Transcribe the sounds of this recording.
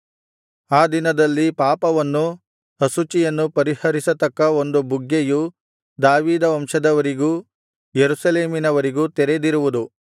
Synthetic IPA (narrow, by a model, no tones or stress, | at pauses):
aːd̪inɐd̪ɐlːipaːpɐʋɐnːu | ɐsut͡ʃijɐnːupɐɾihɐɾisɐt̪ɐkːɐo̞nd̪ubuɡːeju | d̪aːʋiːd̪ɐʋɐmʂɐd̪ɐʋɐɾiɡuː | jeɾusɐleːminɐʋɐɾiɡuːt̪ɛɾed̪iɾuʋud̪u